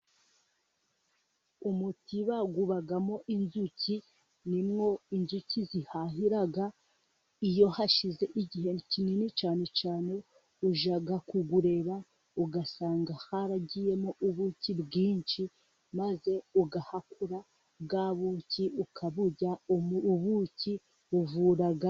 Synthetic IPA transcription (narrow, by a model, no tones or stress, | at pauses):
umutiβaɡuβaɡamo̞ʔinzuci | nimŋo̞inzucizihaɦiɾaɡa | ijo̞haʃize̞ʔiɟiɦe̞cininit͡ʃaːne̞t͡ʃaːne̞ | uʒaɡakuɡuɾe̞ɾa | uɡasaːŋɡahaɾaɟije̞moʔuβucibɡiːnʃi | maze̞uɡahakuɾa | bɡaːβuciʔukʰaβuɟaoβuci | uvuːɾaɡa